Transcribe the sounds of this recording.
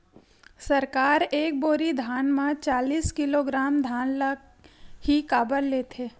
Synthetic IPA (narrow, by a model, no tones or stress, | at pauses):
sɐɾkaːɾeːk̚boːɾid̪ʱaːnmãt͡ʃaːliːskɪloːɡɾaːmd̪ʱaːnləɡ | hikaːbəɾleːt̪ʰeː